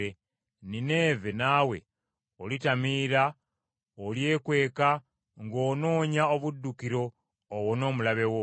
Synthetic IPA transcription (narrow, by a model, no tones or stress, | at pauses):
e | nine̞ːvenaːwe̞̰ | olitamiːɾa | olje̞ːkwe̞ːka | ŋɡo̞ːno̞ːɲaoβudːukiɾo̞ː | wono̞ːmulaβe̞wo